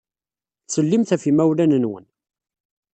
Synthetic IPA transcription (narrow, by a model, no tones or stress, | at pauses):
t͡sːəlːimθæfimæwlænənwə̰n